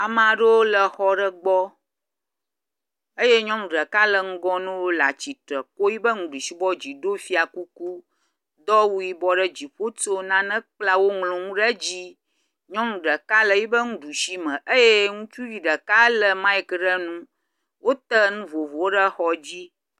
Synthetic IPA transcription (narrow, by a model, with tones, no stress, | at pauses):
a˨mã˨ɖə˦wo˦lə˨xɔ˦ɖə˦ɡ͡bɔ˦ | ə˦je˦ɲɔ̃˦mũ˨ɖə˨ka˦lə˨ŋ̩˦ɡɔ̃˦nũ˦wo˦la˨t͡ɕi˨tɾə˨ko˦ji˦bə˦ŋũ˨ɖu˨ʃi˦bɔ˦d͡ʑi˨ɖo˦fi˦a˨ku˦ku˦ | d̪ɔ˦wu˦ji˦bɔ˦ɖə˦d͡ʑi˨ɸo˦to˦nã˦nə̃˦k͡pla˦wo˦ŋlũ˨ŋũ˦ɖə˦d͡ʑi˦ | ɲɔ̃˦ŋũ˨ɖə˨ka˦lə˨ji˦bə˦ŋũ˦ɖu˨ʃi˦mə̃˨ʔə˦je˦ŋũ˦t͡ʃu˦ji˨ɖə˨ka˦lə˨mã˦i˦kɖə˦nũ˦ | wo˦t̪ə˦ŋũ˦vo˨vo˨wo˦ɖə˦xɔ˦d͡ʑi˦